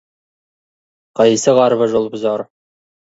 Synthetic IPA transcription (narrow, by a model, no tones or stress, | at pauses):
qɑjsəʁɑɾβəʒolˠbə̆zɑɾ